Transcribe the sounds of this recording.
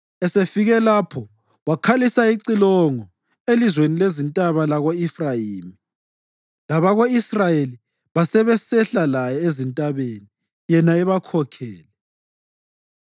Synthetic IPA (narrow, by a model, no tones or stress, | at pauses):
ɛsefiɣɛlapʰɔ | wakʰalisaiǀilɔŋɔ | elizwenilezintʼaβalaɣoifraiːmi | laβaɣoisrajeli | βasɛβɛsɛɬalajɛezintʼaβeni | jɛnaɛβakʰɔkʰɛːlɛ